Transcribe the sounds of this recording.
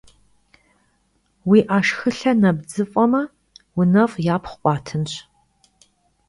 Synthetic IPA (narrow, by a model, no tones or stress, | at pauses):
wiːʔaːʃxɨɬɐnɐbd͡zɨfʼɐmɐ | wʊnɐfʼjaːpʰχʷqʷʼɑːtʰɨnɕ